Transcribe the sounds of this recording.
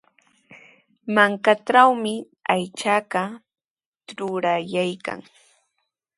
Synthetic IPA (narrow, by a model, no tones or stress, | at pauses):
maŋkaʈ͡ʂawmɪ | ajt͡ʃaɢɑ | ɾʊɾajajka̰ŋ